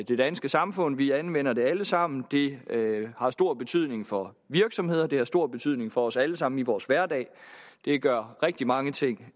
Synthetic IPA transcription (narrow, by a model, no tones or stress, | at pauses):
d̥e̝d̥ænsɡ̥əsɑ̈mfɔ̽n̰ʋiænʋen̰ɐd̥e̝æləsɑ̈m̰n̩d̥e̝ | hɑ̈sd̥o̝ɐ̰b̥e̝t͡sʰyð̞̰ˠne̝ŋfɒ̽ | ʋiɐɡ̥sɒ̽mhe̝ð̞̰ˠɐd̥e̝hɑ̈sd̥o̝ɐ̰b̥e̝t͡sʰyð̞̰ˠne̝ŋfɒ̽ɒ̽sæləsɑ̈m̰n̩iʋɒːsʋæɐdɛ̰ːɪd̥e̝ɡ̥ɶɐ̰ʁɛɡ̥̚d̥imɑ̈ŋət͡sʰe̝ŋ̰